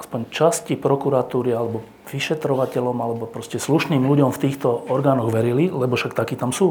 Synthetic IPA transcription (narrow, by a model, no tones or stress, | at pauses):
aspɔɲt͡ʃascipɾɔkuɾat̪uːɾialɛbɔ | ʋiʃɛt̪ɾɔʋacɛʎɔmalɛbɔpɾɔscɛsluʃniːmluɟɔmft̪iːxt̪ɔɔɾɡaːnɔɣʋɛɾililɛbɔʃakt̪akiːt̪amsuː